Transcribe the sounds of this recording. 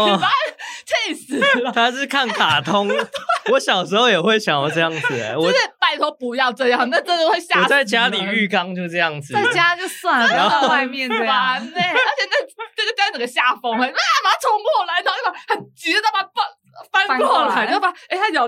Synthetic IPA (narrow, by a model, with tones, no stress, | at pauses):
a˧˥t͡ɕe˥˩ɪs̩˨˩˨t̪ʰa˥ɻ̩˥˧kʰa˥˩nkʰa˨˩t̪ʰo˥ŋwɔ˧˦ɕjɑ˨˩ʊʂɻ̩˧˥xo˥˩ʊjɛ˨˩xwe˥˩ɪɕjɑ˨˩ŋɔ˨˩ʈ͡ʂɤ˥˧jɑ˥˩ŋd͡z̩̰˨˩˨wɔ˥˨˩ɛ˥˩t̪a˥˧ɪt̪ʰo˥pu˧˥jɑ˥˧ʊʈ͡ʂɤ˥˧jɑ˥˩ŋna˥˧ʈ͡ʂə˥˩˧o˥˧xwɪɕja˥ɔ˨˩t͡sa˥˩ɪt͡ɕja˦li˨˩y˥˩kɑ˥ŋt͡ɕjo˥˧ʊʂʈ͡ʂɤ˥˧jɑ˥˩ŋd͡z̩˨˩˥t͡ɕja˥t͡ɕjo˥˧ʊswa˥˩n˩˥˧wa˥˧ɪmjɛ˥˧na˧˦n˥ə˞˧˥t͡ɕʰjɛ˨˩nə˥˩ʈ͡ʂə˥˩ɡə˨˩t͡ɕja˥t͡sə˨˩ɡə˨˦ɕja˥˩fo˥ŋə˧˩˥a˥ma˧˥tʰo˧˥ŋpwɔ˥˩la˧˥t̪ʰɑ˥˩i˥˩ma˧˥˩xə˨˩nt͡ɕi˧˥i˥t̪ʰma˨˥˩pa˥˧ | fa˥nʰ˧wɔ˥˩lo˥˩pa˥˩e˥˩ɪa˥˩jɑ˨˩